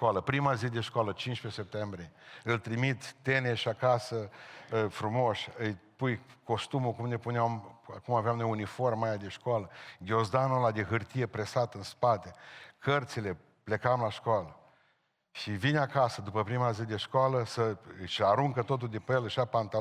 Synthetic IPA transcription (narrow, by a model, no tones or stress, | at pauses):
koaləpɾimazid̪e̞ʃkoalət͡ʃint͡ʃpe̞se̞p̚t̪embɾieɨlt̪ɾimit̪ːe̞neʃiakasə | fɾumo̞ʃʲɨjpujko̞st̪umukumne̞puneamakumaveamnojunifo̞rmajad̪e̞ʃkoaləɡʲo̞zd̪anolad̪eɦɨrt̪ije̞pɾe̞sat̪ɨnspat̪e̞kʰərt̪sile̞ | ple̞kamlaʃkoalə | ʃivinʲakasəd̪upəpɾimazid̪e̞ʃkoaləsəɨʃaɾuŋkət̪o̞t̪̬uld̪epəjeləʃapant̪a